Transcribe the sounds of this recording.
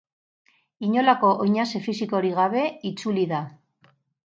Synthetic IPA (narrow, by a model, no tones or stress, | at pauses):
iɲo̞lako̞ʔojɲase̞fisiko̞ɾiɣ̞aβe̞it͡suliða